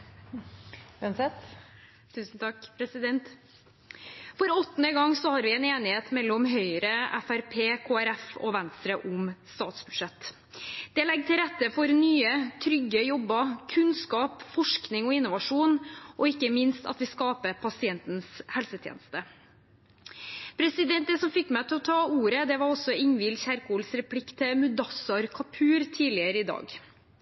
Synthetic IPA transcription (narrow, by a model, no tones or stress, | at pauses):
ɛnsɛt̪ | t̪ʰʉːsn̩t̪ʰɑkːpʰɾɛsɪd̪ɛnt̪ | fɔɾɔt̪ːənəɡɑŋːsɔhɑɾʋɪɛːneːnɪheːt̪mɛlːɔmɦœʏɾəʔɛfæɾpʰeːkʰoːæɾɛfɔ̰ʋɛnst̪ɾəʔʊmst̪ɑːt̪sbʉd̥̪ʂɛt̪ː | d̪̥ɛlɛɡːt̪ʰɪlɾɛt̪ːəfɔɾnyːət̪ʰɾʏɡːəjɔbːəkʰʉnskɑːpfɔʂknɪŋɔɪnːʊʋɑʂuːnʔɔɪkːəmɪnst̪ɑ̰t̪ʋɪskɑːpəpʰɑsɪɛnt̪n̩shɛlsət̪ʰjḛːnəst̪ə | pʰɾɛsɪd̪ɛnt̪d̪ɛsɔmfɪkːmæɪt̪ʰɪlɔt̪ʰɑːuːɾəd̪ɛʋɑɾɔsːɔɪŋʋɪlçæɾkuːlsɾɛpʰlɪkːt̪ʰɪlmʉd̪ɑsɑɾkʰɑpʰʉːɾt̪ʰiːlɪəɾəɪd̪ɑ̰ːɡ